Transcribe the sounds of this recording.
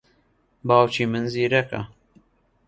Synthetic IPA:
bɑːwt͡ʃimɨnziːɾɛkɐ̰

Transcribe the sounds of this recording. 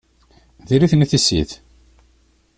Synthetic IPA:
ðiɾiθniθisːḭθ

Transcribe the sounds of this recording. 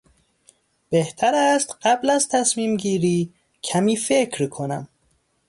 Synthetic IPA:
b̥eht̪ʰæɾæst̪ɢæblæzt̪ʰæsmiːmɟiːɾiː | cʰæmiːfecʰɾkʰo̞næ̰m

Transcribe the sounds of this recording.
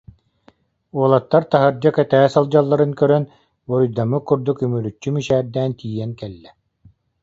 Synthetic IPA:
uɔlˠat̪ːaɾt̪aɦɯɾd͡ʑakɛt̪æːsalˠd͡ʑalˠːaɾɯnkœɾœn | bɔɾujd̪amɯkːuɾd̪ukymyɾyt͡ɕːymiʃɛːɾd̪æːnt̪iːjɛŋkɛlːɛ

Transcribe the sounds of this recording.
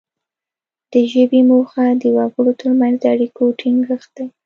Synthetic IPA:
d̪̥əʒəbimoxad̪əwaɡəɽot̪əɾmanzd̪əaɽikoʈʰiŋɡəxd̪̥aj

